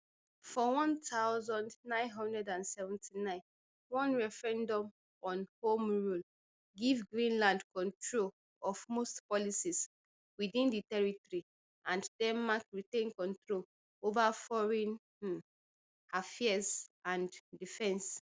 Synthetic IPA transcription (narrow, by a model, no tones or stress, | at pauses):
fɔwɔ̃ntʰaʊzɔ̃ndnãɪ̃nɦɔ̃ndɹɛdãnsɛvɛ̃ntʰinãɪ̃n | wɔ̃nɹɛfɹɛ̃ndɔ̃m | ɔ̃nhõmɹul | ɡivɡɹĩnlãndkɔ̃ntʰɹol | ɔvmostpɔlisis | widĩnditɛɹitɔɹi | ãnddɛnmakɹitẽnkɔ̃ntɹol | ovafɔɹɛ̃n | afɛsʔãndifɛ̃ns